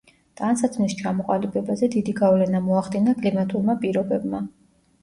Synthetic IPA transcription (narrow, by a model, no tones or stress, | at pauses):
t̪ʼansat̪ʰnist͡ʃʰamɔqʼalibɛbazɛd̪id̪iɡavlɛnamɔaχd̪inakʼlimat̪ʼulˠmapʼiɾɔbɛbma